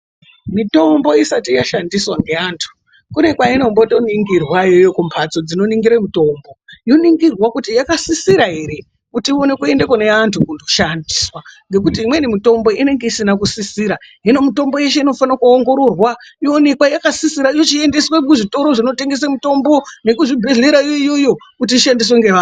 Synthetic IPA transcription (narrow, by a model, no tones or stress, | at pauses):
mito̞mbo̞isatijaʃandiswaŋɡe̞antʰu̥ | kune̞kwaino̞mbo̞to̞niŋɡirwajejokumpʰat͡so̞d͡zino̞niŋɡiɾemito̞mbo̞jo̞niŋɡirwakutijakasisiɾaɦe̞ɾe̞ | kutio̞ne̞kue̞nde̞kone̞antʰukundo̞ʃandiswaŋɡe̞k̬utiːmwe̞nimito̞mbo̞ʔine̞ŋɡe̞isinakusisiɾaɦino̞mito̞mbo̞je̞ʃe̞ino̞fanakuoŋɡo̞ɾo̞rwajoone̞kwajakasisiɾaijo̞t͡ʃie̞nde̞swekuʐito̞ɾo̞ʐino̞te̞ŋɡe̞s̬amuto̞mbo̞ne̞kuʐibʱe̞ɮe̞ɾaijoijo̞jo̞kutiːʃandis̬weŋɡeʋaːn